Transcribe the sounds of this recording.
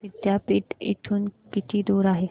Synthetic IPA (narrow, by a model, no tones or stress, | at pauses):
ʋɪd̪jaːpɪʈɪ̰ʈʰunkɪt̪ʰid̪uːɾaːɦe